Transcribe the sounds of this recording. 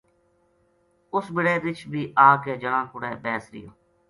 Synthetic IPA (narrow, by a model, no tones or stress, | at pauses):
ʊsbɪɽeːɾɪt͡ʃbiːʔaːkeːd͡ʒəɽãːkʊɽɛːbɛːsɾɪ̰jo̰ː